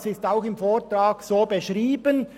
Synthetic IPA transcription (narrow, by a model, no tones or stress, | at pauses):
sɪstaʊxɪmfoːt̪raːksoːbeʃʁiːbən